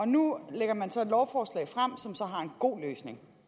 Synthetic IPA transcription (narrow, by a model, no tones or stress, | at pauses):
ɒ̽nuleɡ̥ɐmænsɒ̽e̝d̥lɒʊfɒːslɛ̰ɪfʁam̰sɒ̽msɒ̽ɦɑ̈e̝nɡ̥o̝̰ːløːsne̝ŋ